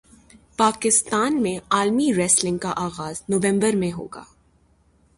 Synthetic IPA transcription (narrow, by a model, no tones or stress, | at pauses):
paːkɪst̪aːnmẽaːlmiɾɛslɪ̃ŋɡ̚kaʔaːɣaːznoʋɛ̃mbəɾmẽɦo̰ːɡa̰ː